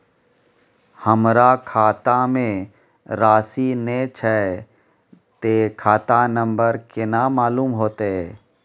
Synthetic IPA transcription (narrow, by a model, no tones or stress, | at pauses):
həmɾakʰaːt̪amẽ | ɾaːsinet͡ʃʰɛ | t̪ekʰaːt̪anə̃mbəɾkɪnamaːluːmɦoːt̪eɛː